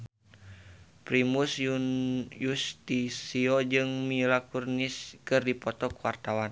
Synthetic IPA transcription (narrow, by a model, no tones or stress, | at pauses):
pɾimusjujust̪isiɔd͡ʒɨŋmilakurniskɨrdipɔt̪ɔkuwart̪awan